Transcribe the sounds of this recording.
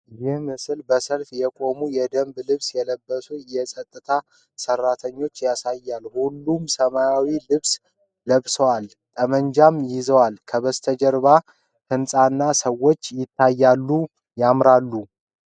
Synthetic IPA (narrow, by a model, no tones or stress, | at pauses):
jɪhmɨsɨlbəsəlfjɛkʼo̞mujɛd̪əmblɨβsjɛləbːəsujɛsʼət̪ʼːɨt̪ʰa | sərːat̪ʰəɲːo̞t͡ʃːjasajːalhulːumsəmajawilɨβs | ləβsəwal | t̪ʼəməɲd͡ʒamjɪzəwalkʰəβəst̪ʰəd͡ʒəɾβa | t̪ʰɨnsʼanːasəwo̞t͡ʃːjɪt̪ʰːajːalːu | jamɾalːu